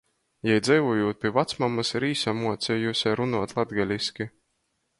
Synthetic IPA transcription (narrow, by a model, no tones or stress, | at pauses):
jɛjd̪zɛjvuːjuːt̪̚pʲiɛvat̪smamasiɾiːsamuɔt̪sʲɛjuːsʲaɾunuɔt̪lˠad̪ɡalʲiskʲi